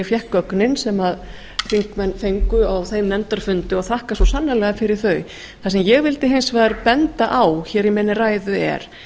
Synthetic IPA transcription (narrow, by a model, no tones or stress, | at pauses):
fjɛhkœknɪnsɛmað | fiŋkmɛnθejŋkʏawθejmnɛnt̪aɾ̥fʏnt̪ʏɔθahkasɔsanːalɛɣafɪɾɪɾ̥θœɥ | θas̬ɛmjɛɣvɪlt̪ɪɦeɪnsvɛːðaɾpɛnt̪aʔawçɛːɾimɛnːɪraːjðʏɛ̰ɾ̥